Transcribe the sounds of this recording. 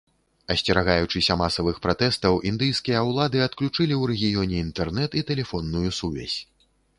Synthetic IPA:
ɐsʲt͡sʲɛɾaɣajut͡ʂɨsʲɐmasɐvɨxpɾat̪ɛst̪ɐwʔind̪ɨjskʲijɐwlˠad̪ɨɐt̪klʲut͡ʂɨlʲiwɾɛɣʲijɔnʲɛint̪ɛrnɛt̪it̪ɛlʲɛfɔnːujusuvʲa̰sʲ

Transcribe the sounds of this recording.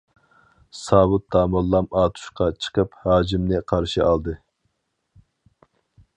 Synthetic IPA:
sɑːbut̪̚d̪ɑːmɑlˠːɑmɑːt̪ʰu̥ʃqɑt͡ʃʰə̥qəphɑːd͡ʒimnɨqʰɑɾʃiʔɑlˠd̪ɨ

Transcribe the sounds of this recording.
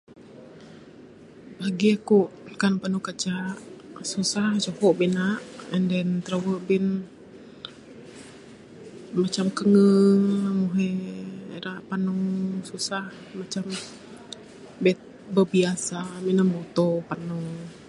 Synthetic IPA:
baɡiakuʔkanpanukat͡ʃaʔsusaht͡ʃohɔʔbinaʔəndɛnt̪əɾawəʔbin | mat͡ʃamkəŋəŋnamuɦe | ɾaʔpanɔŋsusah | mat͡ʃam | bɛt̪̚bəbiasaminəmbot̪opanɔŋ

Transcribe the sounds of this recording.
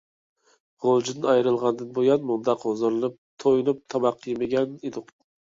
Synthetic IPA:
ʁolˠd͡ʒinɪɑjɾɨlˠʁɑnd̪ɨnbojɑnmʊnd̪ɑqʰozɨɾɨnˠɨp̚t̪ʰojnup̚t̪ʰɑmɑqʰːjemɪɡʲɛned̪ʊq

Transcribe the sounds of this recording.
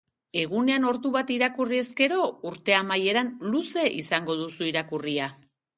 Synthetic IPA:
e̞ɣ̞une̞ano̞ɾðuβat̪iɾakurie̞ske̞ɾo̞uɾt̪e̞amaje̞ɾanluse̞ʔisaŋɡo̞ðusuiɾakuria

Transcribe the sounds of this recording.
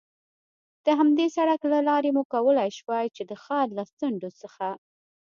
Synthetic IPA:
d̪̥əɦamd̪esaɽaklalɑɾemukawəlajʃwɑjt͡ʃed̪əxɑɾlat͡səɳɖosəxa

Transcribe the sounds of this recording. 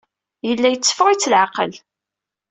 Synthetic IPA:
jəlːæjət͡sːə̥fʁit͡sːəlʕaqə̰l

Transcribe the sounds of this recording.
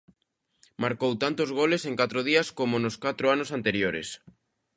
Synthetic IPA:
maɾkowt̪ant̪ozɣ̞oleseŋkat̪ɾoð̞iɐskomonoskat̪ɾoanosant̪eɾjoɾḛs

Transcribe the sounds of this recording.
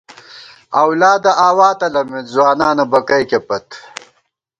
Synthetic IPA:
ɐwlaːd̪ɐʔaːwaːt̪ɐlɐmet̪zwaːnaːnɐbɐkɐjkepɐt̪

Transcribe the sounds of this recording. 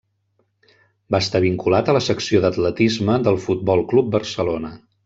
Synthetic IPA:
baːst̪aβiŋkulat̪ələsəksioðət̪lət̪izməðəlˠfut̪̚bɔlˠklup̚bərsəlonə

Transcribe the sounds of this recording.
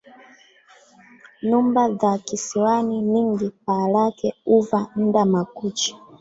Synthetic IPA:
ɲumbaðakisiwaniniŋɡip̚alakɛuvan̩damakut͡ʃi̥

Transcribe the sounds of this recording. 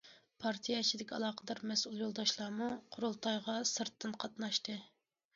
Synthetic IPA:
pʰɑɾt̪ʰijɑt͡ʃʰid̪ɪkʲɑ̰lˠɑːqəd̪ɑɾmɛsulˠjolˠd̪ɑʃlˠɑːmuqʰoɾolˠt̪ʰɑjʁɑsɨɾt̪ʰːɨnqʰɑt̪nɑʃt̪ɨ

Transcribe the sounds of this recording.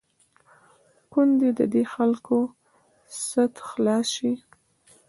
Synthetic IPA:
kund̪ed̪ə̰d̪exalko | sət̪xlɑsi

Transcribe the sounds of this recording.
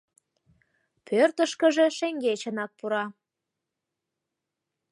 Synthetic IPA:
pʰørt̪əʃkəʒeʃeŋɡet͡ɕənɑk̚puɾɑ

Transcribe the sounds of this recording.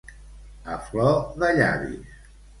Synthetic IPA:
əflɔðəʎa̰ɾḭ

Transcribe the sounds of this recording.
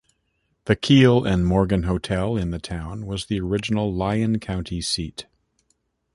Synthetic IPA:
ðɨkʰilˠɨ̃nmɔɹɡɨ̃nɦoʊtʰɛlˠɨ̃nðɨtʰãʊ̃nwʌzðiə˞ɪd͡ʒɨn̩l̩ˠlaɪɨ̃nkʰãʊ̃ntʰisit

